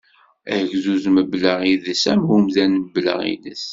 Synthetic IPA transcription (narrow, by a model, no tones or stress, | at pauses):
ʝzuzməbləʁiðəsæmɦumðænməblə̰ʁḭnə̰s